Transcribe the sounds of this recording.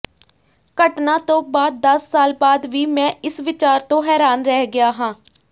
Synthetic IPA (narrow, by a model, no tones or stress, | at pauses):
kəʈnaːt̪õːbaːd̪̚ːəsːaːlbaːd̪ʋiːmɛ̃ːɪsʋɪt͡ʃaːɾt̪õːɦɛːɾaːnɾɛɦɡɪjaːɦãː